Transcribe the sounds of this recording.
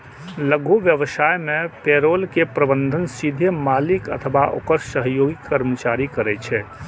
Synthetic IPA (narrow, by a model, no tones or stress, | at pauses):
ləɡʱuʋjəʋəsaːjmẽpeːɾoːlkepɾəbə̃nd̪ʱənsid̪ʱəmaːlɪkə̰t̪ʰəʋaʔo̰kəɾʃsəɦjoːɡikːəɾmət͡ʃaːɾikɐɾɛt͡ʃʰɛ